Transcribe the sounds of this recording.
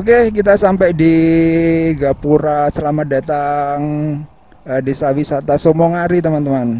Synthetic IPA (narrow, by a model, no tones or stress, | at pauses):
ok̬ek̬it̪̬asampɛʔdi | ɡapuɾasəlamada̤t̪aŋ | ədesawisat̪asomoŋaɾit̪əmant̪əman